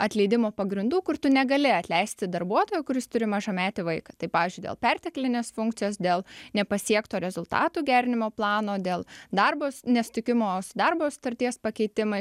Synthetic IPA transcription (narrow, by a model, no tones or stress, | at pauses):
ɐt̪ʲlʲɛɪd̪ʲɪmoːpɐɡɾʲɪnd̪uːkʊrt̪ʊnʲɛɡɐlʲɪɐt̪ʲlʲɛɪsʲt̪ʲɪd̪ɐrbuɔt̪oːjʊkʊɾʲɪst̪ʊɾʲɪmɐʒɐmʲæːt̪ʲɪʋɐɪkɐt̪ɐɪpɑːʋʲɪːzʲd͡ʒʊɪdʲḛlˠpʲɛɾʲt̪ʲɪklʲɪnʲeːsfʊŋkt̪sʲɪjoːsd̪ʲeːlˠnʲɛpɐsʲiɛkt̪oːɾʲɛzʊlˠt̪ɑ̰ːt̪uːɡʲæːɾʲɪnʲɪmoːplˠɑːnoːd̪ʲeːlˠd̪ɐrboːsnʲɛsʊ̥t̪ʲɪkʲɪmoːsʊd̪ɐrboːsʊ̥t̪ɐɾʲt̪ʲiɛspɐkʲɛɪt̪ʲɪmɐɪ